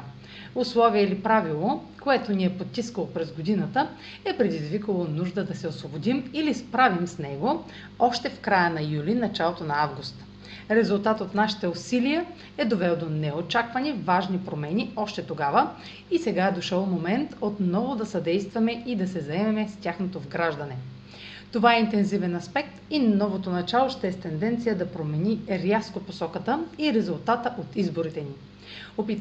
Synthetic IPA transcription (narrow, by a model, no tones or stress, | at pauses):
ʊslˠɔviɛilipɾavilˠo | koɛt̪oniɛpott̪ːiskəlˠopɾɛzɡod̪inət̪ə | ɛpɾɛd̪izvikəlˠonuʒd̪əd̪ɐsɛosvobod̪imilispɾavimsnɛɡo | ɔʃt̪ɛfkɾajənɐjulinɐt͡ʃalˠot̪onɐavɡust̪ | ɾɛzulˠt̪at̪ot̪naʃi̥t̪ɛʊsilijə | ɛd̪ovɛlˠd̪onɛot͡ʃakvɐnivaʒnipɾomɛniɔʃt̪ɛt̪oɡavə | isɛɡaɛd̪oʃəlˠmomɛnt̪ot̪nɔvod̪ɐsɐd̪ɛjst̪vɐmɛid̪ɐsɛzɐɛmɛmɛstʲaxnot̪ovɡɾaʒd̪ɐnɛ | t̪ovaɛint̪ɛnzivɛnɐspɛk̚t̪inɔvot̪onɐt͡ʃalˠoʃt̪ɛɛst̪ɛnd̪ɛnt̪sijəd̪ɐpɾomɛniɾʲaskoposɔkət̪əiɾɛzʊlˠt̪at̪əʔot̪izboɾit̪ɛni | opit̪